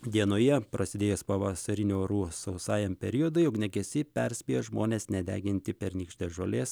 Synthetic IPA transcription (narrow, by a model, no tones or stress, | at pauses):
d̪ʲiɛnoːjɛpɾɐsʲɪd̪ʲeːjɛspɐʋɐsɐɾʲɪnʲuːɾuːsɐʊsɑːjɛmpʲɛɾʲijod̪ɐɪjʊknʲɛɡʲɛsʲɪpʲɛɾʲsʲpʲiːjoʒmoːnʲeːsnʲɛd̪ʲæ̰ːɡʲɪnʲt̪ʲɪpʲɛɾnʲiːkʃʲt̪ʲeːʒoːlʲeːs